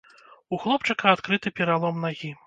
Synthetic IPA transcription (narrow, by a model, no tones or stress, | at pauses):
uxlˠɔpt͡ʂɨkɐat̪kɾɨt̪ɨpʲɛɾalˠɔmnaɣʲi